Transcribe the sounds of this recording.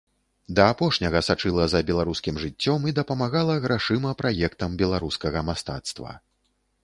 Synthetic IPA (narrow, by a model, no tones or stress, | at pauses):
d̪ɐːpɔʂnʲɐɣɐsat͡ʂɨlˠɐzɐbʲɛlˠaɾuskʲimʐɨt͡sʲːɔmid̪ɐpɐmaɣalˠɐɣɾaʂɨmɐpɾajɛkt̪ɐmbʲɛlˠaɾuskɐɣɐmast̪a̰t̪st̪vɐ̰